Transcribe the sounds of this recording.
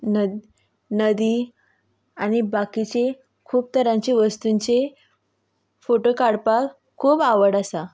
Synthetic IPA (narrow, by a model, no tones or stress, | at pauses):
nə | nəd̪iː | añibakit͡se | kʰuːp̚t̪əɾãɲt͡ɕeʋəst̪unt͡se | foʈokaɽpak | kʰːuːbaʋəɽasa